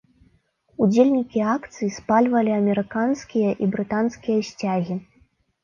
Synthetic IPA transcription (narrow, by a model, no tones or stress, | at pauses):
ud͡zʲelʲnʲikʲiakt̪sɨjispalʲvɐlʲiɐmʲɛɾɨkanskʲijɐʔibɾɨt̪anskʲijɐɕʲt͡sʲaɣʲi